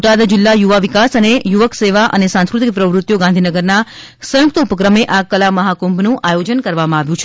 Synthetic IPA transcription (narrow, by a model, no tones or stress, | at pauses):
ʈad̪d͡ʒɪlːajuʋaʋikasənejuʋəkseʋaʔənesãnskɾut̪ik̚pɾəʋɾut̪joɡãnd̪ʱinəɡəɾna | sə̃juk̚t̪əupəkɾəmeʔakəlaməɦakũmbʱnũʔajod͡ʒənkəɾʋamãaʋjũt͡ʃʰe